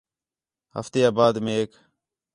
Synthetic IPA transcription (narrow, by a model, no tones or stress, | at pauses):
hə̰ft̪eːaːbaːd̪mẽːeːk